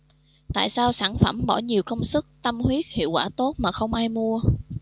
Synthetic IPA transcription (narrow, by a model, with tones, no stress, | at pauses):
t̪a̰ː˧˨jsaː˧wsa˧˩ŋfə˧˩mɓɔ˧˩ɲi˨˩əwkə˧wŋ͡msɨ˦˥k̚t̪ə˧mhwi˦˥ət̚hḭ˧˨əwkwaː˧˩t̪o˦˥t̚maː˨˩xə˧wŋ͡mʔaː˧jmu˧ə